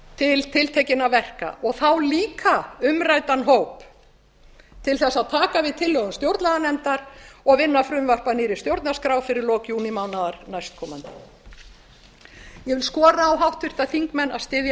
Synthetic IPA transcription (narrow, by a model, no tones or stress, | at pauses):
t̪ʰɪlt̪ʰɪlt̪ʰejcɪnavɛr̥ka̰ʔɔɣθawliːkʰaʏmrajt̪anɦowp | t̪ʰɪlθɛsːaðt̪ʰaːkavɪðt̪ʰɪlːœɣʏmst̪jowɾt̪nlaðanɛnt̪aɾ̥ɔɣvɪnːafɾʏmvar̥paniːɾɪ̥st̪jowɾt̪naɾskɾaːwfɪɾɪɾlɔːkjuːnɪmawnaðaɾnajst̪̚kʰɔːmant̪ɪ | jɛvɪlskɔːɾaːwɦawht̪vʏr̥t̪aθiŋkmɛnːa̰st̪ɪːðj